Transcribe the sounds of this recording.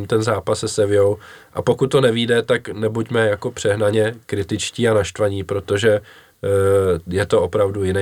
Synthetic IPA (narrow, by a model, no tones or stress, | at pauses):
mt̪ɛnzaːpassɛsɛvɪjow | ʔa̰po̞kut̪ːo̞nɛviːdɛt̪aknɛbucmɛjako̞pr̝̥ɛɦnaɲɛkɾɪt̪ɪt͡ʃciːanaʃt̪vaɲiːpɾo̞t̪o̞ʒɛ | jɛt̪o̞ʔo̞pɾavdujɪnɛ